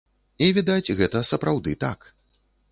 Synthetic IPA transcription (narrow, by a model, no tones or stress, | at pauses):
ivʲid̪at͡sʲɣɛt̪ɐsɐpɾawd̪ɨt̪ak